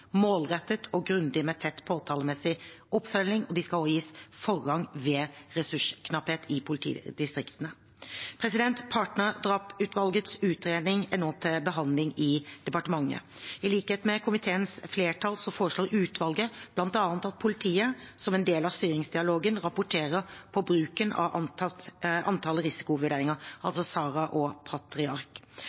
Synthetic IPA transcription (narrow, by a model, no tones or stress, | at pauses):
moːlʁɛt̪ːət̪ʰɔɡɾʉnd̪ɪmɛt̪ʰɛt̪ːpʰoːt̪ʰɑːləmɛsɪʔɔpfœlːɪŋɔd̪ɪskɑlojiːsfɔʁːɑŋʋɛɾɛsʉʂkʰnɑpheːt̪ʰɪpʰʊlɪt̪ʰḭːd̪ɪst̪ɾɪkt̪ənə | pʰɾɛsɪd̪ɛnt̪pʰɑːʈnəɾd̪ɾɑːpːʉːt̪ʋɑlɡət̪sʉːt̪ɾeːd̪ɪŋɛnoːt̪ʰɛbəɦɑnlɪŋɪd̪̥ɛpɑʈəmɑŋːə̰ɪliːkheːt̪mɛkʰʊmɪt̪ʰeːənsfleːʈʰɑlsɔfoːɾəʂɭoːɾʉːt̪ʰʋɑlɡəblɑnt̪ɑːnt̪ɑt̪̚pʰʊlɪt̪ʰiːəsɔmɛnd̪eːlɑʋst̪yːɾɪŋsd̪ɪɑloːɡənɾɑpʊʈʰeːɾəɾpʰɔbɾʉːkənɑ̰ʋʔɑ | ɑnt̪ʰɑːləɾɪsɪ̥kʊʋʉɖeːɾɪŋəɾʔɑ̰lsɔsɑːɾɑʔɔpʰɑt̪ɾɪɑɾk